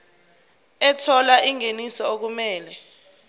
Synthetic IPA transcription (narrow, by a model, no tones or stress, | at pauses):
ɛtʰɔlaiŋenisɔok̬umɛːlɛ